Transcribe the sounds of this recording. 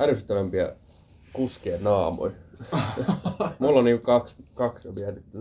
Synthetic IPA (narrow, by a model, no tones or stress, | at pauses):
ælysyt̪ːæʋæmpiæ̰ | kuskeːnnɑːmo̰n | mulːonniːŋkukɑkskɑksʋiænit̪ː